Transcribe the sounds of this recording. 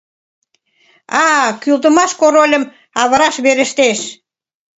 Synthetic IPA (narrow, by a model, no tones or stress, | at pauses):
ɑkylt̪ə̆mɑʃkoɾolʲə̆m | ɑβəɾɑʃβeɾə̆ʃt̪eʃ